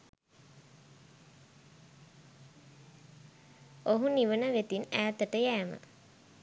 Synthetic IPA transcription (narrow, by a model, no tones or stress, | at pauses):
oɦuniʋənəʋet̪inæːt̪əʈəjæːmə̰